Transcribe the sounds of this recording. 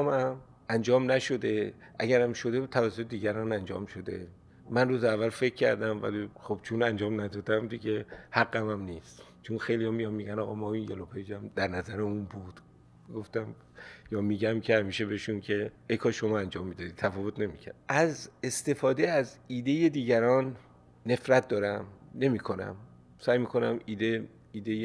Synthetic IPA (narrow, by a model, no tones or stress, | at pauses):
mæm | ʔænd͡ʒɒːmnæʃo̞d̪e̞ʔæɟæɾæmʃo̞d̪et̪ʰævæsːot̪ed̪iːɡæɾɔnænd͡ʒɒ̰ːmʃo̞d̪e̞̰ | mænruːzeævːælfe̞cʰːæɾd̪æmvæ̰liχob̥t͡ʃʰunænd͡ʒɒːmnæd̪ɒːd̪æmd̪iɟʲe̞hæɡːæmæmniːst̪ | t͡ʃʰonxejlijɒmijɒmːiːɟænɒːɣɒmɒːinjelopʰed͡ʒæmd̪æɾnæzæɾeunbud̪̥ | ɡo̞ft̪æm | jɒːmiːɟæmcʰe̞hæmiːʃebeeʃuncʰe̞ | ekʰɒʃo̞mɒːænd͡ʒɒːmːiːd̪ɒːd̪iːt̪ʰæfɒːvot̪ʰne̞micʰæ̰ɾd̥̪̚ʔæzest̪e̞fɒːd̪eæziːd̪e̞je̞d̪iːɟæɾɒːnː | e̞fɾæt̪̚d̪ɒːɾæmne̞miːkʰo̞næ̰m | sæːjmiːkʰo̞næmiːd̪e | iːd̪eje